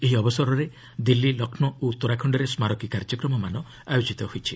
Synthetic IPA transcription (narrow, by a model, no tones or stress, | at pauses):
eɦiɔbɔsɔɾɔɾe | d̪ilːilɔkʰnɔot̪oɾakʰɔɳɖɔɾesmaɾɔkikaɾd͡ʒɔkɾɔmɔmanɔ | ajot͡ʃit̪ɔɦojt͡ʃʰi